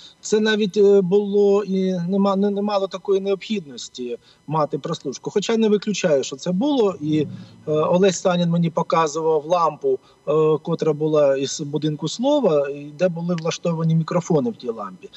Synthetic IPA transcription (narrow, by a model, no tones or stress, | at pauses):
t̪sɛnɑʋʲitʲbʊlˠɔinɛmɑnnɛmɑlˠɔt̪ɐkɔjineɔpxʲid̪̚nɔsʲtʲi | mɑt̪ɪpɾɔslˠuʃkʊxɔt͡ʃajnɛʋɪklʲʊt͡ʃɑjʊʃt͡ʃɔt̪sɛbʊlˠɔi | ɔlˠɛsʲst̪ɑnʲɪnmenʲipɔkɑzʊʋɐwʋlˠɑmpʊ | kɔt̪ɾɐbʊlˠɑiz̥bʊd̪ɪnkʊslˠɔʋɐid̪ɛbʊlˠɪʋlˠɐʃt̪ɔʋɐnʲimʲikɾɔfɔnɪwtʲijlˠɑmpʲi